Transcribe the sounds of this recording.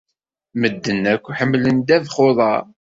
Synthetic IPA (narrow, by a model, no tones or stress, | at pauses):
məd̪ːənːækʷːħəmːlənd̪ævχoðˤɑ̰ɾ